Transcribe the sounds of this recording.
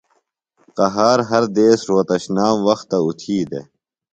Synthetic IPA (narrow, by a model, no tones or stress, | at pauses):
qɐɦaːɾɦɐɾd̪eːsɾoːt̪ɐɕnaːmwɐxt̪ːɐut̪ʰiːd̪ḛ